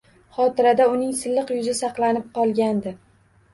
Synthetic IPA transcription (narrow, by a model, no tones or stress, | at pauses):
χɒt̪ɪɾad̪aʊnɪŋsɪlːɨqjʊzɪsɑqlˠanɪp̚qɒlˠɡʲand̪ɪ